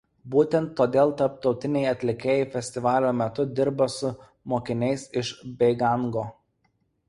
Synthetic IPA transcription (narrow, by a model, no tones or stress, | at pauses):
buːt̪ʲɛnt̪ːoːd̪ʲeːlˠt̪ɐɾp̚t̪ɒʊt̪ʲɪnʲɛɪɐt̪ʲlʲɪkʲeːjɛɪfʲɛsʲt̪ʲɪʋɑːlʲoːmʲɛt̪ʊd̪ʲɪɾbɐsʊ | moːkʲɪnʲɛɪsɪʃbʲɛɪɡɑŋɡoː